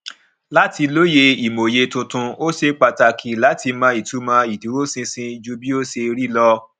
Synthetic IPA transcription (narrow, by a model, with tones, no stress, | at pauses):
la˦ti˧lo˦je˧i˨mo˨je˧tũ˧tũ˧o˦ʃe˧k͡pa˧ta˧kʰi˦la˨˦ti˧mãː˧i˨tu˨˦mãː˧i˨du˨˦ɾo˦sĩ˧sĩ˧˦d͡ʒu˧˦bi˦o˦se˧ɾi˦lɔ˧